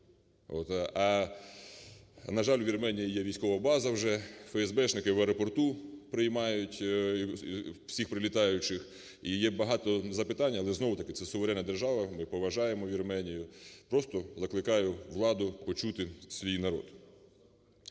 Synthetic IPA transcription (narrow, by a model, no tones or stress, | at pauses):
o̰t̪ɐ | nɐʒɑlʲwʋʲirmɛnʲijijɛʋʲijsʲkɔʋɐbɑzɐwʒɛfɛɛzbɛt͡ʃnɪkɪʋɛɾɔpɔrt̪upɾɪjmɑjʊtʲiwsʲixpɾɪlʲit̪ɑjʊt͡ʃɪx | ijɛbɐɦɑt̪ɔzɐpɪt̪ɑnʲːɐːlˠɛznɔwʊt̪ɐkɪt̪sɛsʊʋeɾɛnːɐd̪erʒɑʋɐmɪpɔʋɐʒɑjemɔʋʲirmɛnʲijʊpɾɔst̪ɔzɐklˠɪkɑjʊʋlˠɑd̪ʊpɔt͡ʃut̪ɪsʲʋʲijnɐɾɔ̰d̪